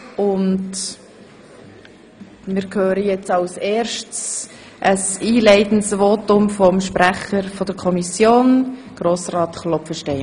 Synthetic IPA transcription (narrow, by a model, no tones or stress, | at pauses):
ʊnd | mɪɾkʰhøːɾəjɛt͡sɑʊseːɾʃts | ʔəsiːlɛɪtn̩svoːtʊmfɔmʃpɾæχəɾfɔd̥əɾkʰɔmisjoːnɡ̥ɾoːsrɑːtχlɔpfəʃtɛɪ